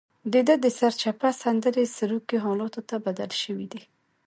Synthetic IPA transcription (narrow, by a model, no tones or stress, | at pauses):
d̪əd̪əd̪əsaɾt͡ʃapasand̪əɾesaɾukeɦɑlɑt̪ot̪abad̪alʃəwid̪i